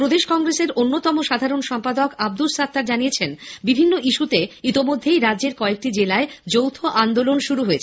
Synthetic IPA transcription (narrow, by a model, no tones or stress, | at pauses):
pɾod̪eʃkɔŋɡɾeseɾonːot̪ɔmoʃad̪ʱaɾonʃɔmpad̪okab̚d̪ulsat̪ːaɾd͡ʑanijet͡ɕʰenbibʱinːoʔiʃut̪eit̪imod̪ʱːejɾadʑeɾkɔek̚ʈid͡ʑelaed͡ʑowt̪ʰoʔand̪olonʃuɾuɦoet͡ɕʰe